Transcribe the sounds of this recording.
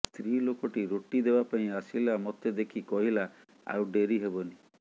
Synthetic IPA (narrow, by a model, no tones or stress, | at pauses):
st̪ʰɾilokɔʈiɾoʈid̪ebapaĩasilamɔt̪ed̪ekʰikɔɦila | a̰wɖeɾiɦebɔni